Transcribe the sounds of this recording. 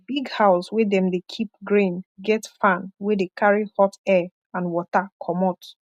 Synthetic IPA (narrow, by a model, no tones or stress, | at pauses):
biɡhaʊswedɛ̃mdekʰip̚ɡɹĩnɡɛtfãnwedekʰaɹihɔtɛ | ãnwɔtakʰɔmɔt